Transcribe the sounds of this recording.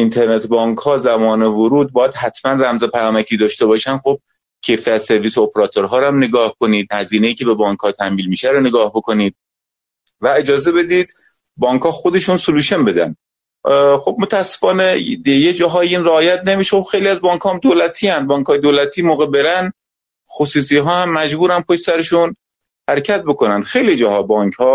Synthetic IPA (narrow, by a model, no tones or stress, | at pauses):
int̪ʰe̞ɾnet̪ʰbɒːŋkhɒːzæmɒːnevoɾuːd̪̚bɒːjæd̪̥hæt̪ʰmænræmzepʰæjɒːmæcʰiːd̪ɒːʃt̪e̞bɒːʃænxob̥̚ | cʰejfiæt̪se̞ɾviːsoopʰeɾɒːt̪ʰoɾɦɒːɾæmne̞ɡɒːhkʰoniːd̪hæziːne̞jiːcʰebe̞bɒːŋkhɒːt̪ʰæmviːlmiːʃæɾone̞ɡɒːhboko̞niːd̪̥̚ | væe̞d͡ʒɒːze̞be̞d̪iːd̪ | bɒːŋkʰɒːxod̪e̞ʃunsoluːʃonbe̞d̪æ̰n | xob̚mot̪ʰææsːe̥fɒːnejed͡ʒɒːɦɒːjeiːnreɒːjæt̪ʰne̞miːʃexobxejliæzbɒːŋkʰhɒːmd̪oːlæt̪ʰiːænd̪̚bɒːŋkʰhɒːjed̪oːlæt̪ʰiːmoːɣebe̞ɾæn | xosuːs̬iːɦɒːhæmːæd͡ʒbuːɾænpʰoʃsæɾeʃun | hæɾecʰæt̪̚boko̞nænd̪̥xe̞jlid͡ʒɒːɦɒːbɒːŋkhɒː